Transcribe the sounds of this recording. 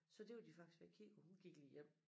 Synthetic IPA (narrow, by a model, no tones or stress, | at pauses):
sɒ̽d̥e̝ud̥ifɑ̈ɡ̥sʋæɐkʰḭɒhunɡ̥iɡ̥lijem̰